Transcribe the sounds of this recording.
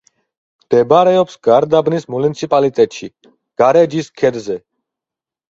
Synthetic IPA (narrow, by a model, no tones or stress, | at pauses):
md̪̥ɛbɾɛɔpsɡaɾd̪abnismunit̪sʰipʼalit̪ʼɛt̪ʼʃḭ | ɡ̥aɾɛd͡ʒiskʰɛd̪zɛ